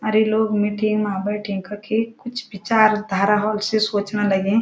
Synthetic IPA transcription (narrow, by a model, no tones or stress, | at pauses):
ɐɾeloːɡmiːʈɪ̃ŋɡmãːbəʈʰĩŋkakʰekʊt͡ʃʰbɪt͡ʃaːɾd̪ʱaːɾaɦɔːlsesoːt͡ʃnalɐɡẽː